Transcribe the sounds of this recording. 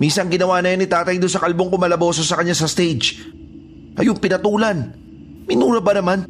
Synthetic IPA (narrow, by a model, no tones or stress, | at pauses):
minsɐŋɡɪnɐwaːnɐjɐnɪt̪aːt̪ɐjd̪ʊnsɐkɐlboŋkʊmɐlɐbo̞ːsosɐkɐɲːasɐst̪ejd͡ʒ | ʔɐjoŋpɪnɐt̪uːlɐn | mɪnuːɾɐbɐnɐman